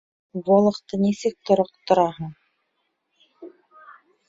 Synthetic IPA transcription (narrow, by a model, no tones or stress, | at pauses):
buolˠɤ̆qt̪ɤnisɘk̚t̪ŏɾoq̚t̪ŏɾɑɦɤɴ